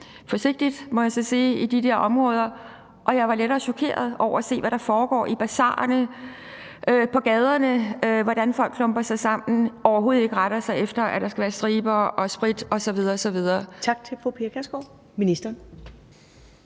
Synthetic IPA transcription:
fɒ̽se̝ɡ̥̚d̥id̥mɒ̽jɑ̈sɒ̽sḭːid̥id̥ɛɐʔɒ̽mʁɔ̽ːð̞ˠɐ | ʔɒ̽jɑ̈ɪʋɑ̈leɾɐːɕɒ̽kʰe̝̰ːɐð̞ˠɒʊ̰ɐæse̝̰ːʋæɾ̥ɑ̈fɒːɡ̥ɒ̰ːʔib̥æsɑ̰̈ːɐnə | ʔpʰɒ̽ɡ̥ɛːð̞ˠɐnəøʋɒd̥ænfɒ̽l̰ɡ̥ʰlɔ̽mb̥ɐsɑ̈ɪsɑ̈m̰n̩ɒʊɐɦo̝ːð̩ˠe̝ɡ̥əʁɑ̈ɾ̥ɐsɑ̈ɪefd̥ɐæd̥ɑ̈sɡ̥æʋæːɐsd̥ʁiːb̥ɐʔɒ̽sb̥ʁid̥ɒ̽sɒ̽ʋið̞ˠɐɒsɒ̽ʋið̞ˠɐːt͡sʰɑ̈ɡ̥̚t͡sʰe̝lfʁupʰeɐkʰæsɡ̥o | minisd̥ɐn

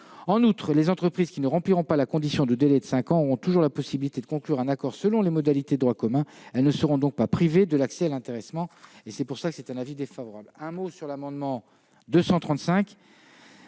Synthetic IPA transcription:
ɑ̃nut̪χlezɑ̃t̪χəpχiz̥kʲinəʁɑ̃pliʁɔ̃palakɔ̃d̪isjɔ̃d̪əd̪elɛd̪əsɛ̃kɑ̃ɔʁɔ̃t̪uʒuʁlapɔsibilit̪ed̪əkɔ̃klyʁɛ̃nakɔʁsəlɔ̃lemɔd̪alit̪ed̪əd̪ʁwakɔmɛ̃ɛlnəsəʁɔ̃d̪ɔ̃k̚papχived̪əlaksɛalɛ̃t̪eʁɛsmɑ̃esɛpuʁsakə̥sɛt̪ɛ̃navid̪efavɔʁablɛ̃mosyʁlamɑ̃d̪mɑ̃ | d̪øsɑ̃t̪χɑ̃t̪sɛ̃k

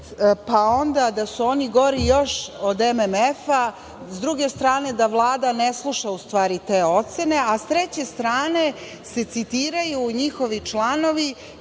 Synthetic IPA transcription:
pao̞nd̪ad̪asuo̞niɡo̞ɾijo̞ʃod̪ememefa | zd̪ɾuɡe̞st̪ɾaːne̞d̪aʋlˠaːd̪aneslˠuʃaust̪ʋaːɾit̪e̞ːo̞t̪se̞ne̞ast̪ɾet͡ɕe̞st̪ɾaːne̞ | se̞t̪sit̪iːɾajuɲixo̞ʋit͡ʃlˠano̞ʋi

